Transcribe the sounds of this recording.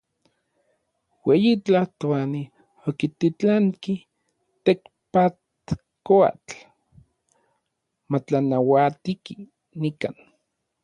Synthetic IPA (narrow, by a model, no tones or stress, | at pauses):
weːjit͡ɬaht̪oani | okit̪it͡ɬaŋki | t̪ek | pat̪ | koa̰t͡ɬ | mat͡ɬanawat̪iki | nika̰ːn